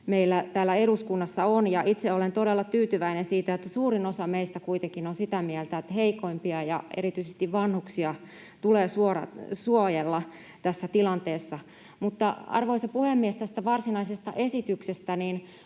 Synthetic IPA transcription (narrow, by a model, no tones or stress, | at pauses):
meilːæt̪æːlːæeɾuskunːɑsːɑonjɑʔit̪seolent̪odelːɑt̪yːt̪yʋæinensiːt̪æet̪ːæsuːrinosɑmeist̪ækuit̪eŋkinonsit̪æmiælt̪æet̪ːheikoimpiɑjɑ̰ḛɾit̪yisest̪iʋʋɑnhuksiɑ | t̪uleːsuoɾɑ̰suojelːɑ | t̪æsːæt̪ilɑnt̪eːsːɑ | mut̪ːɑɑ̰rʋoisɑpuhemːiest̪æst̪æʋɑrsinɑisest̪ɑ̰ʔesit̪yksest̪æniːn